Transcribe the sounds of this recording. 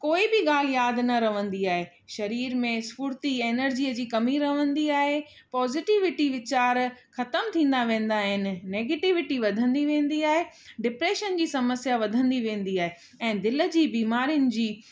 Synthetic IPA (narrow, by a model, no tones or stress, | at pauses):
koːibɪɠaːl̤jaːd̪nɐɾɐʋ̤ə̃nd̪iaːɦeː | ʃɐɾiːɾmẽspuːɾt̪ieːnəɾd͡ʑiːəd͡ʑiːkɐmiɾɐʋə̃nd̪iaːɦe | pɔːzɪʈɪʋɪʈiʋɪt͡ɕaːɾxɐt̪əmt̪ʰĩːnd̪aʋẽːn̆d̪aːɦɪnɪ̆neːɡeːʈɪʋɪʈiʋɐd̪ʱə̃nd̪iʋẽːn̆d̪iaːɦe | ɖɪpɾeːʃənd͡ʑiːsɐməsjaʋɐd̪ʱə̃nd̪iʋẽːn̆d̪iaːɦe | ɛ̃ːd̪ɪlə̆d͡ʑiːbiːmaːɾijʊnɪ̆d͡ʑiː